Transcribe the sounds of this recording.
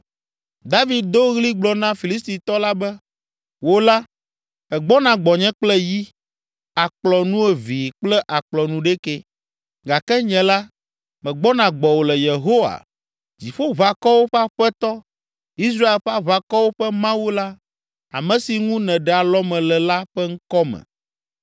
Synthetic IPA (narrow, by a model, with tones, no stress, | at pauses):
d̪a˦vi˨d̪̚d̪o˦ɣli˦ɡ͡blɔ˨nã˦fi˨li˦st̪i˨t̪ɔ˦la˦bɛ˦ | wo˦la˦ | ɛ˨ɡ͡bɔ˦nã˨ɡ͡bɔ˨ɲɛ̃˦k͡plɛ˦ji˦ | a˨k͡plɔ˨nũ˦ɛ˨vi˨k͡plɛ˦ʔa˨k͡plɔ˨nũ˦ɖɛ˦kɛ˦ | ɡa˨kɛ˦ɲɛ̃˨la˦ | mɛ̃˨ɡ͡bɔ˦nã˨ɡ͡bɔ˨wo˨lɛ˨je˨ɦo˦wa̰˨ | d͡ʑi˨ɸo˦βa˨kɔ˦wo˦ɸɛ˦a˦ɸɛ˦t̪ɔ˦ | i˦s̬ɾa˦e˨lɸɛ˦a˦βa˨kɔ˦wo˦ɸɛ˦mã˦wu˦la˦ | a̰˨mɛ̃˨si˨ŋũ˦nɛ̃˨ɖɛ˨a˨lɔ˦mɛ̃˨lɛ˨la˦ɸɛ˦ŋ̩˦kɔ˦mɛ̰̃˨